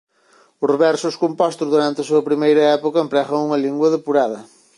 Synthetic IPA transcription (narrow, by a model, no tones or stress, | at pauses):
ʊzβɛɾsʊskompɔst̪ʊzðuɾant̪ɪɐsuɐpɾimejɾɐɛpokɐempɾɛɣɐŋuŋɐliŋɡwɐðepuɾaðɐ